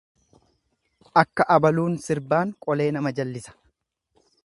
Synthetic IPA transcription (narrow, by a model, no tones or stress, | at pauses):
ʔɐkːɐʔɐbɐluːnsɪɾbaːŋkʼɔle̞ːnɐmɐd͡ʒɐlːɪsɐ̥